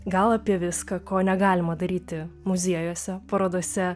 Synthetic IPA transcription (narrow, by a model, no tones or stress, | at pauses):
ɡɐlˠɐpʲiɛʋʲɪskɐkoːnʲɛɡɑːlʲɪmɐd̪ɐɾʲiːt̪ʲɪmʊzʲiɛjoːsʲɛpɐɾoːd̪oɔsʲɛ